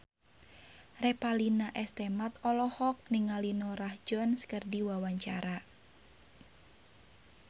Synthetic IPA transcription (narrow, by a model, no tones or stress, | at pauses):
repalinaʔɛst̪emat̪ɔlɔhɔk̚niŋalinɔrahd͡ʒɔnskərdiwawaɲt͡ʃaɾa